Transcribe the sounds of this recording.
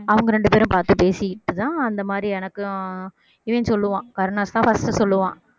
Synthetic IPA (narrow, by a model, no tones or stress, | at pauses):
ɐʋɐŋɡɐɾɛɳɖɯpeːɾʊ̃mpaːɾt̪ɯpeːsɪjɪʈːɯt̪ãːɐnd̪ɐmaːd̪ɾiɛnɐkːɯ | ɪʋeːnsɔlːɯʋãːkɐɾnaːst̪ãːfɐsʈɯsɔlːɯʋãː